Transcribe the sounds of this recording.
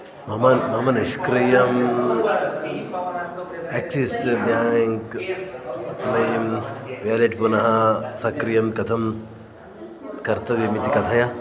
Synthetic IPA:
mɐmɐnmɐmɐniʃkɾijɐm | ɛk̚t͡ʃisb̪jaːŋk | nɐjɐmʋjaleʈpunɐɦɐsɐkɾijɐmkɐt̪ʰɐm | kɐɾt̪ɐʋjɐmit̪ikɐt̪ʰɐja

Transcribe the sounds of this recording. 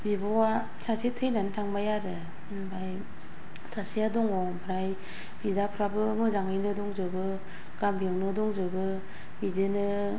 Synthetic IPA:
bibɔwa | sasʰetʰɯjnantʰaŋbajaɾɯ | bʰaj | sasiadɔŋɔ | pʰɾaj | bizapʰɾabɯmɯzaŋɯjnɯdɔŋzɯbɯ | ɡ̥amjɯwnɯdɔŋzɯbɯ | bizɯnɯ

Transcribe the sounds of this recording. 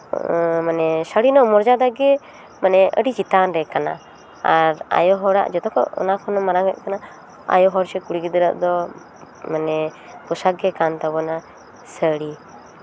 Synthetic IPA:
manɛsaɽinɔmɔɾd͡ʒad̪aɡɛ | manɛə̰ɽid͡ʒit̪anɾɛkana̰ | aɾa̰jɔɦɔɽa̰ʔd͡ʒɔt̪ɔkɔ̰ʔɔ̰nakʰɔnɔmaɾaŋɡɛʔ̪̚kana | a̰jɔɦɔɾsɛkuɽiɡid̪əɾə̰ʔd̪ɔ | manɛ | kɔsaɡɛkant̪abɔna | səɽi

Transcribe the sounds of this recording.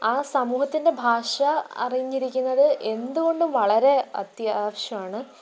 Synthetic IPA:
aːsɐmuːɦɐt̪ːinde̞bʱaːʂɐɐ̰rijɲːiɾikʲːunːɐðɨʔe̞nd̪uɣo̞ɳɖɨmʋɐɭɐɾe̞ɐ̰t̪jaːʋɐɕjɐmaːɳɨ

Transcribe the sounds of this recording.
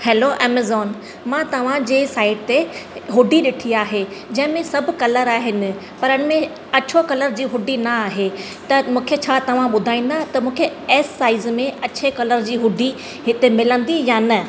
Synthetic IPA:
hɛːloʔɛːmezɔːn | mãt̪ɐʋ̤ãd͡ʑeːsaːɪɖ̚t̪eɦʊɖiɗɪʈʰiaːɦed͡ʑɐ̃ɦɪ̃mẽsɐbʱkɐləɾaːɦɪnɪ̆ | pɐɾəɽ̃mẽ | ɐt͡ɕʰokɐləɾd͡ʑiːɦʊɖinɐaːɦe | t̪ɐmũːkʰet͡ɕʰaːt̪ɐʋ̤ãɓʊd̪ʱaːĩːn̆d̪at̪ɐmũːkʰeɛːsːaːɪzmẽʔɐt͡ɕʰekɐləɾd͡ʑiːɦʊɖʱi | ɦɪt̪emɪlə̃nd̪ijanɐ

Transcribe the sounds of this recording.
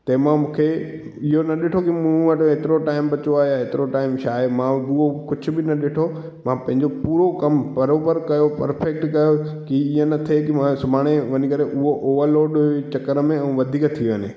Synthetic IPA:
t̪ɐmãmũːkʰe | ɪɦonɐɗɪʈʰokimũʋɐʈɦeːt̪ɪɾoʈaːɪmbɐt͡ɕoaːɦjaɦeːt̪ɪɾoʈaːɪmʃaːemãʊɦokʊd͡ʑʱʰʊ̆bɪnɐɗɪʈʰo | mãpɐ̃ɦɪ̃ɲd͡ʑopuːɾokɐmbɐɾoːbəɾkɐjopɐɾfek̚ʈkɐjokiiə̃nɐt̪ʰekimãsʊbʱaːɽ̃eʋɐɲikɐɾeʔʊɦoʔoːʋəɾloːɖt͡ɕɐkəɾəmẽɛ̃ʋɐd̪ʱiːkt̪ʰiʋenḛ

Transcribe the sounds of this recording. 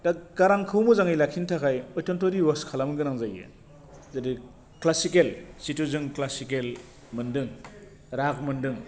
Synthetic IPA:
dak̚ɡ̥aɾaŋkʰɯwmuzaŋajlakʰintʰakʰajɔjtɔntoɾiwɔskʰalamɡɯnaŋzajḛ | zadi | klasikelsituzɯŋklasikel | mɯndɯŋ | ɾak̚mɯndɯŋ

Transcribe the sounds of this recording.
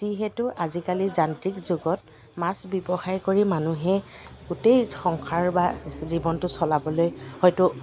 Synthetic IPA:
tiɦɛtʊʔazikalizantɹikzʊɡɔt̚ | masbibɔxajkoɹimanuɦɛɡutejxɔŋkʰaɹbazibɔntʊsɔlabɔlojhɔjtʊ

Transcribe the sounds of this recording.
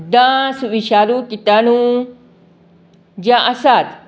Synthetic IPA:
d̪ãsuʋiʃaɾukit̪anũ | d͡ʒaʔasat̪

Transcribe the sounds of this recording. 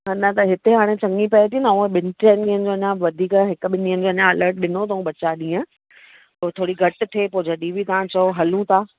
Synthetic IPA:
nɐt̪ɐɦɪt̪eɦaːɽ̃et͡ɕɐ̃ŋɡipɐet̪ʰinɐũːə̃ɓɪnʈeːnɡiːənɪ̆d͡ʑoːɐɲãʋɐd̪ʱiːkɦɪkʊɓɪniːənɪ̆d͡ʑoːɐnãɐləɾʈ̚ɗɪnot̪ɐũɓɐt͡ɕaɗĩːə̃ | pot̪ʰoːɽiɡʱɐʈ̆t̪ʰeːpod͡ʑʱəɗiʋit̪ɐʋ̤ãt͡ɕɐoɦɐlũt̪ʰaː

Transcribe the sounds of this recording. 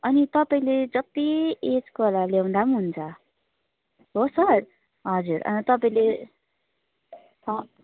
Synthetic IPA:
ʌnit̪ʌpaĩled͡zʌt̪ied͡zkolaljew̃nd̪amɦunt͡sʰʌ | ɦosʌr | ɦʌd͡zurʌ̰nit̪ʌpaĩle | ʌ

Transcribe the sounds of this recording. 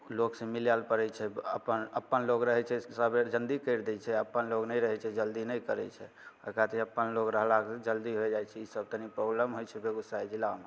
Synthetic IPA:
loksə̃miljalpəɾɛt͡ʃʰɛə̰pənə̰pːənloɡɾəɦɛt͡ʃʰɛsəbed͡ʒənd̪ikəjɾd̪ɛt͡ʃʰɛəpːənloknɛjɾəɦɛt͡ʃʰɛd͡ʒəld̪inɛjkəɾɛt͡ʃʰɛ̰ | okat̪iəpːənlokɾəɦlakd͡ʒəld̪iɦoed͡ʒajt͡ʃʰɛisəb̚t̪ənipɾoɡləmɦojt͡ʃʰɛbeɡusaid͡ʒilame

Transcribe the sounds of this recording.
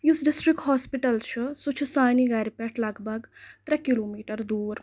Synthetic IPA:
jusɖisʈɾikhaːspiʈɐlt͡ʃʰusut͡ʃʰusaːniɡɐɾʲpɛʈʰlɐɡbʱɐɡt̪ɾɐkiloːmiːʈɐɾd̪uːɾ

